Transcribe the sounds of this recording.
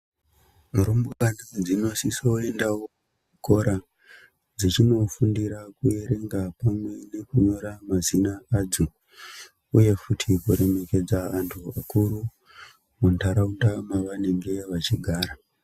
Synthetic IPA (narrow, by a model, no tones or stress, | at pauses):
ɾombukanid͡zino̞sisoe̞ndawo | kuko̞ɾa | d͡zit͡ʃino̞fundiɾakue̞ɾe̞ŋɡapamwe̞ne̞kuɲo̞ɾamazinaaːd͡zo | uje̞futʰikoɾe̞me̞ke̞d͡zaantʰua̰kuɾu | muntʰaɾaundamaʋane̞ŋɡe̞ʋat͡ʃiɡʱaːɾa